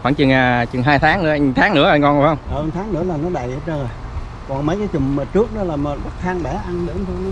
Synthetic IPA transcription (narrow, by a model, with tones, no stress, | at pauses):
xwaː˧˩ŋt͡ɕɨ˨˩ŋaː˨˩t͡ɕɨ˨˩ŋɦaː˧jt̪ʰaː˨˦ŋnɨ̰˧˥ə˦ʔŋ˨˩t̪ʰaː˨˦ŋnɨ̰˧˥əʔa˧ŋkɔ˧˩nɔ˨˩˦hə˧wŋ͡mʔəː˨˧˩ŋt̪ʰaː˨˦ŋnɨ̰˧˥əlaː˨˩nɔ˨˦ɗə̰˨jt͡ɕə˧nː˨˩j | kɔ˨˩nmə˨˦jkaː˨˦jt͡ɕʊ˨˩ŋ͡mməː˨˩t͡ɕɨ˦˥ək̚nɔ˨˦laː˨˩məː˨˩ɓa˦˥t̪̚ʰaː˧ŋɓɛ˧˩ʔa˧nɗɨ̰˨˧˦əŋt̪ʰo˧jnɔ˨˦